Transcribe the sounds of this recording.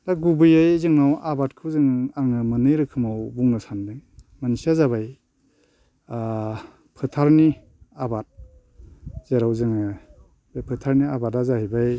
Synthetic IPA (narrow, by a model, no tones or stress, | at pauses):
daɡubɯjajzɯŋnawʔabatkʰɯwzɯŋaŋɯmɯnɯjɾɯkʰɯmawbuŋnɯsandɯŋmansiazabaj | a | pʰɯtʰaɾni | abat̚ | z̥eɾawzɯŋɯ | bapʰɯtʰaɾniabatazahijbaj